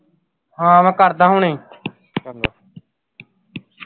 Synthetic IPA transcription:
ɦãːmɛ̃ːkəɾd̪aːɦũːnəĩː

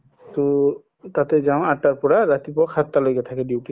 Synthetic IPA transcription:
to | tatɛzaʊ̃atːaɹpɔɹaɹatipɔkʰat̪ːalojkɛtʰakɛdiwti

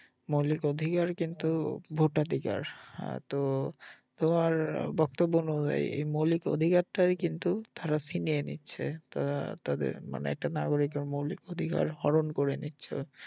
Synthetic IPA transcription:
molikod̪ʱikaɾkint̪ubʱoʈad̪ʱika̰ɾht̪o | t̪omaɾbɔk̚t̪obːonod͡ʑa̰jḛjmoliko̰d̪ʱikaɾʈajkint̪ut̪aɾasinienḭtːɕʰḛt̪at̪ad̪ḛɾma̰nḛɛk̚ʈanaɡoɾik̬oɾmowlikod̪ʱika̰ɾhɔɾonkoɾenitːɕʰo̰

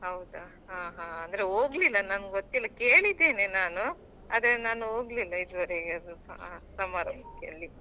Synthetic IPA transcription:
ɦɐwd̪a | ɦaːɦãːnd̪ɐɾeoːɡlilːɐnanɡɡot̪ːilːɐke̞ːɭid̪ːeːne̞naːnu | a̰ːd̪ɐɾenaːnuoːɡlilːɐid̪ʋɐɾeɐd̪ṵasɐmaːɾɐmɐkːeɐlːi

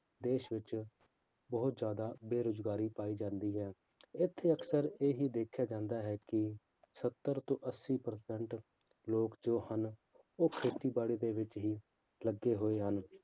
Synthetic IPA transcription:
d̪eːʃʋɪt͡ʃ | bəɦʊt̪zjaːd̪aːbeːɾʊd͡ʒɡaːɾiːpaːiːd͡ʒãːnd̪iːɦɛː | ɪt̪ʰːeːəksəɾeːɦiːd̪eːkʰjaːd͡ʒãːnd̪aːɦɛːkɪ | sət̪ːəɾt̪õːʔəsːiːpəɾsɛɳʈ | loːkd͡ʒoːhən | oːkʰeːt̪iːbaːɽiːd̪eːʋɪt͡ʃɦiː | ləɡːeːɦoːeːɦən

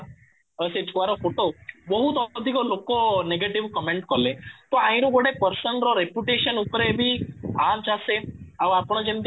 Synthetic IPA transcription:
əset͡ʃkʋaɾofoʈoʋəɦut̪ɔd̪ʱikolokoneɡeʈiʋkəmẽɳʈkɔlẽt̪ɔãĩɾuɡoɽepəɾsənɾɔɾepjuʈeʃənupɾebʱiat͡ʃaseaʋapɳ̃ɔd͡ʒẽnd̪

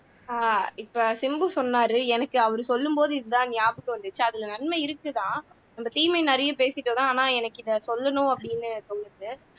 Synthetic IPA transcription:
aːɪpːɐːsɪmbɯsɔnːaːɾɯɛnɐkːɯɐʋɐɾɯsɔlːɯmboːðɯɪðɯt̪ãːnɪjaːbɯkːɯʋɐnd̪ɯt͡ʃːɯɐðɪlɐnɐnmɐɪɾɯkːɯt̪ãː | nɐmbɐt̪iːmɐɪnɐɾɐjɐpeːsɪʈːoːt̪ãaːnãːɛnɐkːɪðɐsɔlːɐnʊ̃ɐpːɐɽɪnːɯt̪ɔɭɯɾðɯ

